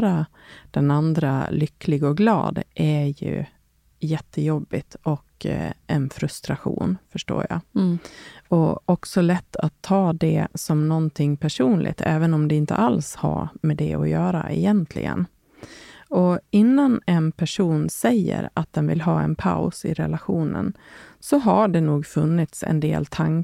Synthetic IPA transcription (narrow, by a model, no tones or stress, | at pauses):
ɾa | d̪̥ɛnand̪ɾa̰lʏkːlɪɡɔɡlɑ̰ːd̪ʔæjɵ̰ | jɛt̪ʰːəjɔbːɪt̪ɔkɛnfɾɵst̪ɾaɧṵːnfœʂʈo̰ːɾja̰ | ɔɔksɔlɛt̪ʰːat̪ʰːɑːd̪ɛsɔmnɔnt̪ʰɪŋːpʰæʂuːnlʔɪ̰ɡ̚t̪ʰɛːvənɔmd̪ɛɪnt̪ə̰ʔalsha̰mɛd̪ɛɔjœːɾa̰ʔɛjɛnt̪ʰlɪ̰ɡə̰n | ɔɪnːanɛnpʰæʂuːnsɛjːə̰ɾat̪̚d̪ɛnvɪlɦɑːɛnpʰaʊsɪɾɛlaɧuːnənsɔɦaɖɛnuːɡfɵnːɪt̪sɛ̰nd̪ḛːlt̪ʰaŋ